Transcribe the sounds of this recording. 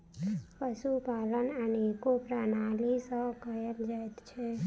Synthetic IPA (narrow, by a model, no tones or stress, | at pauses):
pəsupalənənekopɾənalisə̃kəjəld͡ʒajt̪t͡ʃʰɛ